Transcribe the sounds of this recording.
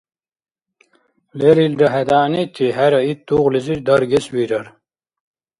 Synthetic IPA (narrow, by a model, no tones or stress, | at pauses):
leɾild͡ʑɐɦed̪aːnet͡ɕ̪ʰiɦæɾɐit̪ːuːʁliziɾd̪ɐɾɡeswiɾɐɾ